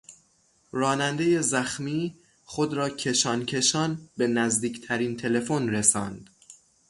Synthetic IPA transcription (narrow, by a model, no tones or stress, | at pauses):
ɾɒːnænd̪e̞je̞zæxmiː | xod̪ɾɒːcʰe̞ʃɒːncʰe̞ʃɒːnbe̞næzd̪iːcʰt̪ʰæɾiːnt̪ʰe̞le̞fonɾesɒːnd̪̥